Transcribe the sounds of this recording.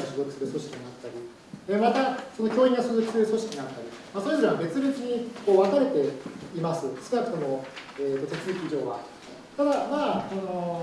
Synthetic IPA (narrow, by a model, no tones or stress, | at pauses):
aɕozokʲi̥sɨɾɯ̟so̞ɕi̥kʲiɲ̟iat̪ːaɾʲi | emat̪aso̞no̞kʲo̞ːĩŋɡasozɨkʲi̥sɨɾɯ̟so̞ɕi̥kʲiɲiat̪ːaɾʲi | masoizɾeβabe̞t͡sɨbet͡sɨɲ̟iko̞ːβakaɾe̞t̪e̞imasɨskɯnakɯ̟̥t̪o̞mo̞eːt̪ːo̞t̪e̞t͡sɨzɨkʲiʑo̞ːɡa̰ | t̪ad̪amaːsono̞